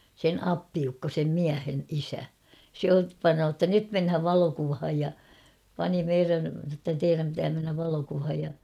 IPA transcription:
sen ɑpːiukːo sem miæhen isæ se ot pɑnoː tːæ nyt menhæʋ ʋɑlokuʋhɑj jɑ pɑni meiræn̞ sɑ tːæ teiræm pitæː menːæʋ ʋɑlokuʋhɑj jɑ

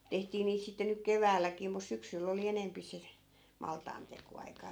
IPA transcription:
tehtiː niːt sitːe nyk keʋæːlːækiː mus syksylː oli enempi se mɑltɑːntekoɑikɑː

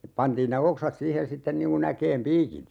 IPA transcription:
pɑntiːn ne oksɑt siːhen sitːen niŋ kun ækeːm piːkit

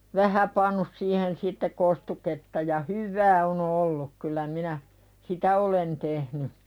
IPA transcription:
ʋæhæ pɑnːus siːhen sitːe kostuketːɑ jɑ hyʋːæː on olːuk kylæ minæ sitæ olen tehny

